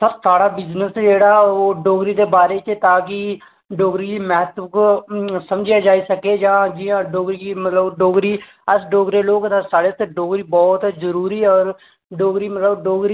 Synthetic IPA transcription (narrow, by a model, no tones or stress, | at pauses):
səɾsaːɽaːbɪznəsd͡ʒeːɽaːoːɖoːɡɾiːd̪eːbaːɾeːt͡ʃt̪aːkɪ | ɖoːɡɾiːd͡ʒimɛɦt̪ksəmd͡ʒijaːd͡ʒaːisəkeːd͡ʒãːd͡ʒijãːɖoːɡɾiːmət̪ləbɖoːɡɾiː | əsɖoːɡɾeːloːɡd̪aːsaːɽeːt̪eɖoːɡɾiːbɔːt̪zəɾuːɾiːɔːɾ | ɖoːɡɾiːmət̪ləbɖoːɡɾiː